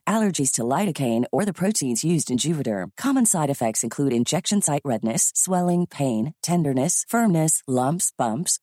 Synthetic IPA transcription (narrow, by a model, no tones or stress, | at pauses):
ʔælˠə˞d͡ʒiz̥tʰəlaɪɾɨkʰẽɪ̃nə˞ðɨpʰɹ̥oʊtʰĩnzjʉzdɨ̃nd͡ʒʉvɨɾə̰˞kʰɑmə̃nsaɪɾɨfɛk̚tsɨ̃nkʰl̥ʉɾɨ̃nd͡ʒɛkʃɨ̃nsaɪʔɹɛdⁿnɨsːwɛlˠɪ̃ŋpʰẽɪ̃ntʰɛ̃ndə˞nɨsfɜ̃˞mnɨslʌ̃mpsb̥ʌ̃mps